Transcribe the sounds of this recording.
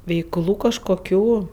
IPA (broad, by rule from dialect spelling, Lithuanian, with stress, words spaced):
ʋʲɛɪkˈlˠuː kɐʃkoːˈkʲuː